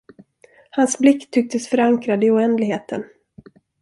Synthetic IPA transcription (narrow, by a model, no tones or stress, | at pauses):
hansblɪkt̪ʰːʏk̚t̪əsfœɾaŋkɾad̪əɪʊɛnd̪lɪɡheːt̪ʰə̰n